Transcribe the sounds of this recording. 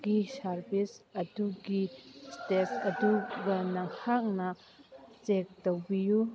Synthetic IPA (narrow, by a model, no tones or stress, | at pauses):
ɡisɐɾbisɐduɡistetsɐduɡɐnɐŋhak̚nɐ | t͡ʃek̚dowbiju